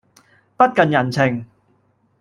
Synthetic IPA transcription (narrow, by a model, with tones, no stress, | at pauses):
pɐ˥t̚kɐ˨˧njɐ˨˩nt͡sʰɪ˨˩ŋ